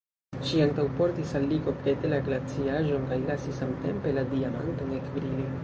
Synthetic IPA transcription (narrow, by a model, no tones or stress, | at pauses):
ʃiaŋtawpo̞ɾtisalːiɡo̞ket̪elaɡlat͡siaʒo̞nkajlasisamte̞̰mpe̞ladiama̰ntonekbɾili